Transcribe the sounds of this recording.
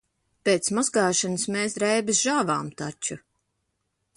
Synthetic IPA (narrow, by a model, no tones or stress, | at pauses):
peːt̪smɔzɡaːʃanɨsmeːsɾɛjbisʒaːvaːmt̪at͡ʃu